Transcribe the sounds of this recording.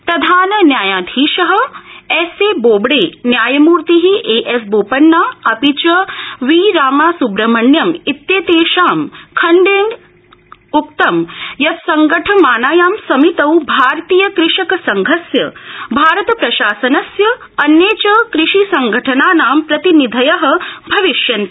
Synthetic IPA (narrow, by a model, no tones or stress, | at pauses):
pɾɐd̪ʱaːnɐnjaːjaːd̪ʱiːʃɐɦɐ̆ɛseːboːbɽeːnjaːjɐmuːɾt̪iɦiʔeːʔes̬boːpɐnːaːɐpit͡ʃɐʋiːɾaːmaːsubɾɐmɐɳjɐmit̪jeːt̪eːʃaːmkʰɐɳɖeːn | uk̚t̪ɐmjɐt̪sɐŋɡɐʈʰɐmaːnaːjaːmsɐmit̪ɐwbʱaːɾt̪iːjɐkɾɪʂɐkɐsɐŋɡʱɐsjɐbʱaːɾɐt̪ɐpɾɐʃaːsɐnɐsjɐ | ɐnjeːt͡ʃɐkɾɪʂisɐŋɡʱɐʈʰɐnaːnaːmpɾɐt̪inid̪ʱɐjɐɦɐ̆bʱɐʋiʃjɐnt̪i